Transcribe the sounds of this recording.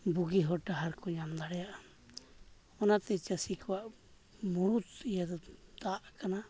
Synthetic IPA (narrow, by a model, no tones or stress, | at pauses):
buɡiɦɔʈaɦaɾkɔɲamd̪aɽɛjaʔa | ɔnat̪ɛt͡ʃəsikɔwaʔ | muɾut̪ijad̪ɔd̪aʔkana